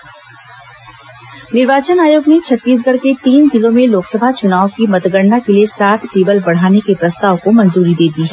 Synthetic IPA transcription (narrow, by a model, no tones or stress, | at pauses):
nɪɾʋaːt͡ʃənaːjoːɡnet͡ʃʰɐt̪ːiːs̬ɡəɽket̪iːnzɪlõmẽloːksəbʱat͡ʃʊnaːʋokimɐt̪ɡəɽnakeliesaːt̪ʰʈeːbəlbɐɽ̤aːnekepɾɐst̪aːʋkomɐ̃nzuːɾid̪eːd̪iɦɛː